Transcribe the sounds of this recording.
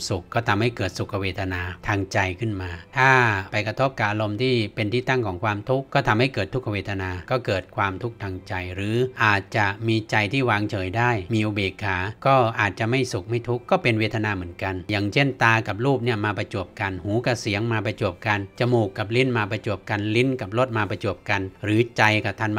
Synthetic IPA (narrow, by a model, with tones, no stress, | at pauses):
su˨˩kːɔː˥˩t̪ʰa˧mha˥˩jkɤː˨˩t̪̚su˨˩kkʰːa˧weː˧t̪ʰa˧naː˧t̪ʰaː˧ŋt͡ɕa˧jkʰɯ˥˩nmaː˧t̪ʰaː˥˩pa˧jkɾa˧t̪ʰo˦˥p̚ka˨˩p̚ʔa˧lo˧mt̪ʰiː˥˩pe˧nt̪ʰiː˥˩t̪a˥˩ŋkʰɔː˩˦ŋkʰwaː˧mt̪ʰu˦˥kkːɔː˥˩t̪ʰa˧mha˥˩jkɤː˨˩t̪ʰːu˦˥kʰːa˧weː˧t̪ʰa˧naː˧kɔː˥˩kɤː˨˩t̪̚kʰwaː˧mt̪ʰu˦˥k̚t̪ʰaː˧ŋt͡ɕa˧jɾɯː˩˦ʔaː˨˩t̪̚t͡ɕa˨˩miː˧t͡ɕa˧jt̪ʰiː˥˩waː˧ŋt͡ɕʰɤː˩˦jdaː˥˩jmiː˧ʔo˧˩beː˨˩kʰːaː˩˦kɔː˥˩ʔaː˨˩t̪̚t͡ɕa˨˩ʔma˥˩jsu˨˩k̚ma˥˩jt̪ʰu˦˥kːɔː˥˩pe˧nweː˧˥t̪ʰa˧naː˧mɯ˩˦ənka˧njaː˨˩ŋt͡ɕʰe˥˩nt̪aː˧ka˨˩p̚ɾuː˥˩p̚ni˥˩ɐmaː˧pa˧t͡ɕu˨˩p̚ka˧nhuː˩˦ka˧˩si˩˦əŋmaː˧pa˧t͡ɕo˨˩əp̚ka˧nt͡ɕa˧˩muː˨˩kːa˨˩p̚li˦˥˩nmaː˧pɾa˧t͡ɕo˨˩əp̚ka˧nli˦˥nka˨˩p̚lo˦˥˩t̪̚maː˧pa˧t͡ɕo˨˩əp̚ka˧nɾɯː˨˩˦t͡ɕa˧jka˧˩t̪ʰa˧˩˨n